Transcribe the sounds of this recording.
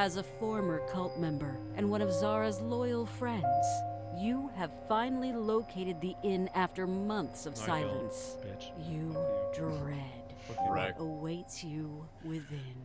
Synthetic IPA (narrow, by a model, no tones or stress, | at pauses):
ɨzəfɔɹmə˞kʰʌlˠt̚mɛ̃mbə˞ʔɨ̃nwʌ̃ɾ̃ʌvzɑɹɨzlɔɪl̩ˠfɹɛ̃ndz̥jɨɨv̥fãɪ̃nl̩ˠiloʊkʰeɪɾɨd̪̚ðiʔɪ̃næftə˞mʌ̃nθsʌv̥ssaɪlˠə̰̃ns | jɨdɹɔɹɛd̥ | ʔəweɪtsjɨ | wɪðɪ̃n